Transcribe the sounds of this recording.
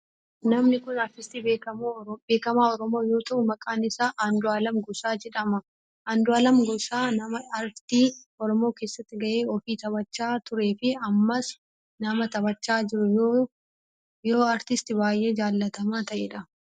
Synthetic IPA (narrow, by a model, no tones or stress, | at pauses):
nɐmnɪkʊnɐɾt̪ɪst̪iːbeːkɐmbe̞ːkɐmaːɔɾɔmo̞ːjoːt̪ɐʔʊmɐkʼaːnɪsaːʔɐnd̪ʊaːlɐmɡʊsaːd͡ʒɛᶑɐmɐ | ʔɐnd̪ʊaːlɐmɡɔsaːnɐmɐɐɾt̪iː | ɔɾɔmo̞ːke̞ːsːɐt̪ːɪɡɐʔe̞ːɔfiːt̪ɐbɐt͡ʃːaːt̪ʊɾe̞ːfɪɐmːɐs | nɐmɐt̪ɐβɐt͡ʃːaːd͡ʒɪɾʊjoː | jo̞ːɐɾt̪ɪst̪ɪbaːjʔe̞ːd͡ʒaːlːɐt̪ɐmaːt̪ɐʔeːᶑɐ